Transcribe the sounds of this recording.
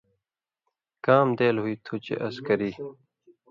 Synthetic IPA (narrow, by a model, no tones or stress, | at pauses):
kaːmd̪eːlɦuiːt̪ʰut͡ɕḛʔɐskɐɾiː